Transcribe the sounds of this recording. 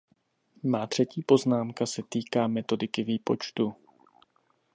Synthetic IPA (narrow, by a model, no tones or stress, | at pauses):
maːt̪r̥ɛciːpo̞znaːmkasɛt̪iːkaːmɛt̪o̞dɪkɪviːpo̞̰t͡ʃt̪u